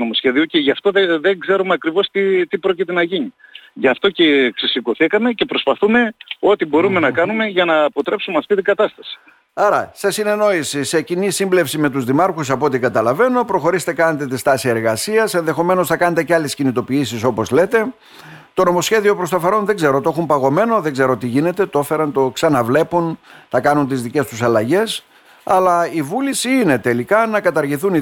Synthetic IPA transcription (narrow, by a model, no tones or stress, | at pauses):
nomosçeðioceʝɐft̪oðeðeɡze̞ɾumeɐkɾivo̞st̪it̪ipɾo̞cit̪e̞nɐʝiɲiʝɐft̪o̞ceksisiko̞θikɐme̞ce̞pɾospɐθume̞o̞t̪ibo̞ɾume̞nɐkɐnume̞ʝɐnɐːpo̞t̪ɾe̞psumeɐft̪it̪iŋɡɐt̪ɐst̪ɐsi̥ | ɐɾɐsesine̞no̞isise̞cinisimble̞fsime̞t̪uzðimɐɾxus̬ɐpot̪ikɐt̪ɐlɐve̞no̞pɾo̞xo̞ɾise̥t̪e̞kɐnet̪et̪ist̪ɐsie̞ɾɣɐsiɐse̞nðe̞xo̞me̞no̞sθɐkɐne̞t̪e̞ceɐle̞scinit̪o̞piisiso̞po̞zle̞t̪e̞ | t̪o̞no̞mo̞sçe̞ðio̞pɾo̞st̪ɐfɐɾo̞nðe̞ɡze̞ɾo̞t̪o̞xumpɐɣo̞me̞no̞ðe̞ŋɡze̞ɾo̞t̪iʝine̞t̪e̞t̪o̞fe̞ɾɐnt̪o̞ksɐnɐvle̞punθɐkɐnunt̪izðice̞st̪usɐlɐʝe̞s | ɐlɐivulisiine̞t̪e̞likɐnɐkɐt̪ɐɾʝiθuni